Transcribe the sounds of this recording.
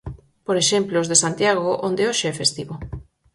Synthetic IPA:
poɾeʃemplozðesant̪jaɣoʔond̪eoʃeɛfest̪iβo

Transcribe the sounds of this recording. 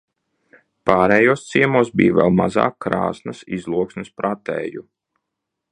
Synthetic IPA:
paːɾɛːjuɔst̪siɛmuɔsbḭːvʲɛ̰lˠma̰za̰ːkːɾa̰ːsnɐsizlˠuɔksnispɾʔat̪ɛ̰ːju

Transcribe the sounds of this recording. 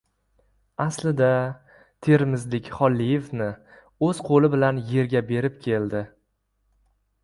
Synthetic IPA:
aslɪd̪a | t̪ʰe̞ɾmɪzlɪkʲχɒlːije̞fnɪ | ɵz̥qʰolɪbɪlanje̞ɾɡʲabe̞ɾɪp̚kʲʰe̞ld̪ɪ

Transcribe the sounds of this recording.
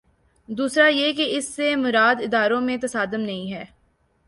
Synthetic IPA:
d̪uːsɾajekeɪsːemʊɾaːd̪ɪd̪aːɾõmẽt̪ɐsaːd̪əmnɐɦĩɦɛː

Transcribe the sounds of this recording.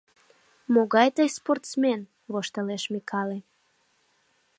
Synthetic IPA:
moɣɑjt̪əjsport̪smen | βoʃt̪əleʃmikʰɑle

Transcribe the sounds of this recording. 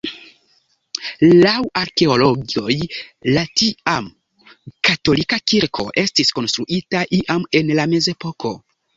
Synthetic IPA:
lawaɾke̞olo̞ɡio̞jlatiam | kato̞likakiɾkʰo̞̰ʔe̞stisko̞nstɾuʔitaʔiʔame̞nlame̞ze̞po̞ko̞

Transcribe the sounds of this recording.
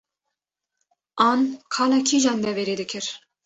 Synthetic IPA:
ɑnkʰɑlɑkʰiʒɑnd̪ɛveɾed̪ɪkʰɪɾ

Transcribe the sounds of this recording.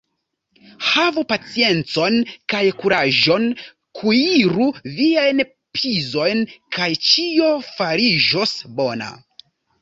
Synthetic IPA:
havupat͡sie̞nt͡so̞nkajkuɾaʒo̞n | kʰuiɾuviajn | pʰizo̞jnkʰajt͡ʃio̞faɾid͡ʒo̞sbo̞na̰

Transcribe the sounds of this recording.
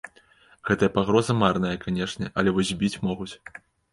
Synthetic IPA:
ɣɛt̪ɐjɐpaɣɾɔzɐmarnɐjɐkanʲɛʂnʲɛʔɐlʲɛvɔzʲbʲit͡sʲmɔɣut͡sʲ

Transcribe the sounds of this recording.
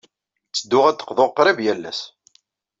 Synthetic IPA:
t͡sːəd̪ːʊʁæt̪ːə̥qðoʁqːɾˤivjælːæ̰s

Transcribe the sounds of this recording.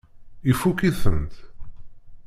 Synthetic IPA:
ifukiθə̰nt̪

